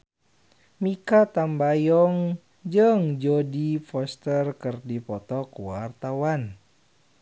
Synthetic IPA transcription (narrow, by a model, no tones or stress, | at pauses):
mikat̪ambajɔŋ | d͡ʒɨəŋd͡ʒɔdifɔst̪ərkɨrdipɔt̪ɔkuwart̪awan